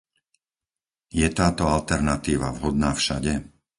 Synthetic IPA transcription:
jɛt̪aːt̪ɔalt̪ɛɾnat̪iːʋa̰vɦɔd̪̚naːfʃaɟɛ

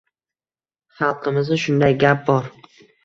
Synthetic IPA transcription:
χɑlˠqʰɨmɪznɪʃʊnd̪ajɡʲap̚bɒɾ

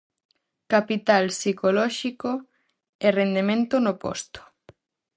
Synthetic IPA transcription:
kapit̪alsikolɔʃiko | erend̪emẽnt̪onopɔ̰st̪o̥

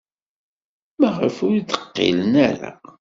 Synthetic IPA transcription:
mæʁəfʊɾid̪ə̥qːḭlənæɾa̰

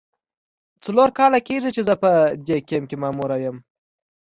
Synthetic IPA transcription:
t͡saloɾkɑlakeʐit͡ʃezəpəd̪ekemkemɑːmuɾajəm

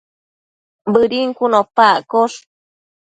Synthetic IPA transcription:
bɨɾiŋkunõpakoʂ

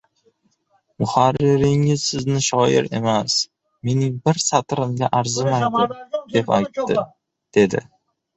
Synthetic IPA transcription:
mʊhaɾːɪɾɪŋɪzsɪznɪʃɒɪ̰ɾe̞̰mas | me̞nɪŋbɪɾsat̪ɾɪmɡʲaʔaɾzɪmajd̪ɪd̪e̞pajt̪ːɪ̰ | d̪̥e̞d̪ɪ̰

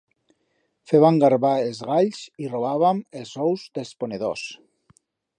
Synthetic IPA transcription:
feβaŋɡaɾβaelˠzɣaʎsiroβaβ̞amelˠzɔwzd̪esponeðo̰s

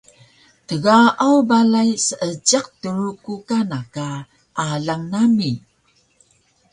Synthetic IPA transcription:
təɣaʔawbalajsəʔəɟaq̚təɾukukanaka | ʔaɮaŋnami

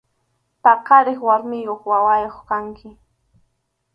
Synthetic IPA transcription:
paqaɾɪχwaɾmɪjoχwawajoχkaŋkʰɪ

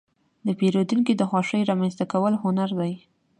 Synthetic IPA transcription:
d̪əpeɾod̪uŋkid̪əxwɑʂəjɾɑmanst̪akawəlɦʊnaɾd̪aj

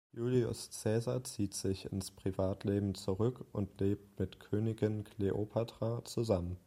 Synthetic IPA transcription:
juːliʊ̰st͡sɛːzat͡siːtz̥ɪçɪ̰nspʁ̥ivaːtʰleːbm̩t͡suʁʏkʊntʰleːp̚tmɪtkʰøːnɪɡɪnkʰleʔopʰatʁ̥at͡suzamən

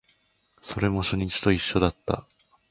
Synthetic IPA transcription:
so̞ɾe̞mo̞ɕoɲ̟ʲĩt͡ɕi̥t̪o̞iɕːo̞d̪at̪ːa̰

